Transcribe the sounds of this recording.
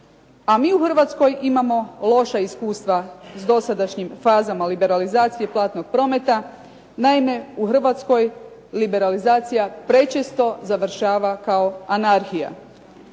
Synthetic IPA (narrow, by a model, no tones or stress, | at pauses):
amiːuxr̩ʋat̪sko̞jimamo̞lo̞ʃaiskuːst̪ʋazd̪o̞sad̪aʃɲimfaːzamalibe̞ɾalizaːt̪sije̞plˠaːt̪no̞ɡ̥̚pɾo̞me̞t̪a | naime̞uxr̩ʋat̪sko̞j | libe̞ɾalizaːt̪sijapɾe̞t͡ʃest̪o̞zaʋr̩ʃaːʋakao̞anaɾxija̰